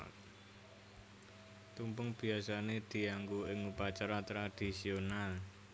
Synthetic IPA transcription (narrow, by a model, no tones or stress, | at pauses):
t̪umpʊŋb̥i̤asaned̪̥i̤aŋɡuɪŋupat͡ʃaɾat̪ɾad̪̥i̤sional